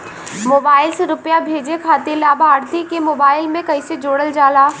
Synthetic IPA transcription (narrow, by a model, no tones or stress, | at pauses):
moːbaːɪlseɾʊpjabʱeːd͡ʒekʰaːt̪elaːbʱaːɾt̪ikemoːbaːɪlmẽkɐised͡ʒoːɽəld͡ʒaːlaː